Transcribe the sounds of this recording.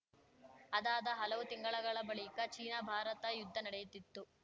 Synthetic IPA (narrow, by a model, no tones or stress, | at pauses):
ɐd̪aːd̪ɐɦɐlɐʋut̪iŋɡɐɭɐɡɐɭɐbɐɭikɐt͡ʃiːnabʱaːɾɐt̪ɐjud̪ʱːɐnɐɽɛjut̪ːit̪ːu